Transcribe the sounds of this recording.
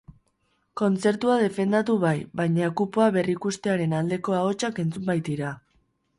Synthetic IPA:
ko̞nt͡se̞ɾt̪uað̞e̞fe̞nd̪at̪uβajβajɲakupoaβe̞rikust̪e̞aɾe̞nald̪e̞ko̞ao̞t͡ʃake̞nt͡sumbajt̪iɾa

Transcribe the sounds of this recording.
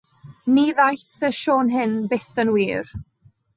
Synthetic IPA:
niðajθəʃoːnɦɪnbeθənwiːr

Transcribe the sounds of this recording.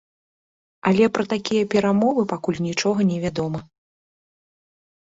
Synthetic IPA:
alʲɛpɾɐt̪akʲijɐpʲɛɾamɔvɨpakulʲnʲit͡ʂɔɣɐnʲɛvʲad̪ɔmɐ

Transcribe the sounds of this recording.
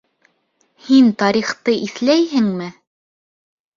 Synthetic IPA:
hint̪ɑɾiχt̪ɤʔiθlæjɦɘŋmɘ

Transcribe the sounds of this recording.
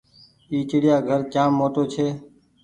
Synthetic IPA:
iːt͡ʃɪɽɪjaːɡʱəɾt͡ʃãːmːoːt̪oːt͡ʃʰeː

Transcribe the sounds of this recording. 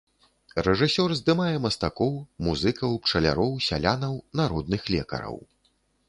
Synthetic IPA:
rɛʐɨsʲɔrzd̪ɨmajɛmɐst̪akɔwmuzɨkɐwpt͡ʂɐlʲa̰ɾɔwsʲalʲanɐwnaɾɔd̪̚nɨxlʲɛ̰kɐ̰ɾɐ̰w

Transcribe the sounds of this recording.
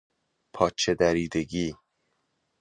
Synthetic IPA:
pʰɒːt͡ʃʰed̪æɾiːd̪eɡiː

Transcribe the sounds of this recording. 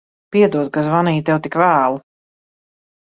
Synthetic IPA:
piɛd̪uɔd̪̚kazvaniːt̪ɛwt̪ikvæːlˠ

